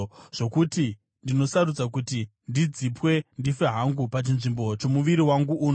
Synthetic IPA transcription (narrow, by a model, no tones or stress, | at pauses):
ʐ̥o̞kuti | ndino̞saɾud͡zak̬utindid͡zipwe̞ndifeɦaŋɡupat͡ʃinʐimbo̞t͡ʃo̞muʋiɾiwaŋɡuʔuːn